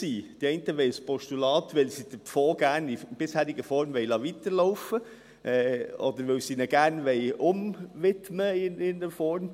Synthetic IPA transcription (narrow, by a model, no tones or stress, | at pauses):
siːd̥iɛntəʋɛɪspʰɔʃtulɑːt̪ʋɪlsid̥əpfoːɡæːɾnib̥ɪshæːɾiɡəfɔɾmʋɛɪlɑʋit̪əɾloʊfə | ʔɛɔ̰d̪əɾʋɪlsinəɡ̥æːɾnʋɛɪʊmʋɪtməɪnɪnəfɔɾm